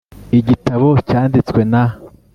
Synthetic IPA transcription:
iɟitaβo̞caːndit͡swe̞na

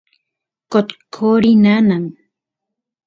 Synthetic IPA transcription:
kot̪kʰoɾinanan

